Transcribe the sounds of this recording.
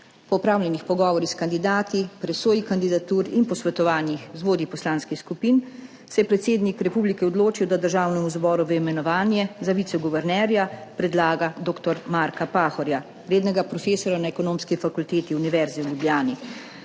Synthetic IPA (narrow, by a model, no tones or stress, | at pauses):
pɔupɾaːwlʲɛnixpɔɡɔːʋɔɾixskand̪id̪aːt̪ipɾɛsoːjikand̪id̪at̪uːɾinpɔsʋɛt̪ɔʋaːnjixzʋoːd̪ipɔslaːnskixskupiːn | sɛjɛpɾɛt̪seːd̪nikɾɛpublikɛɔd̪loːt͡ʃiwd̪ad̪əɾʒaːwnɛmuzbɔːɾuʋeimɛnɔʋaːnjɛzaʋiːt̪sɛɡɔʋɛɾnɛːɾjapɾɛd̪laːɡad̪oːkt̪ɔɾmaːɾkapaːxɔɾja | ɾeːd̪nɛɡapɾɔfeːsɔɾjanaɛkɔnoːmskifakult̪eːt̪iuniʋɛɾzɛwljubljaːni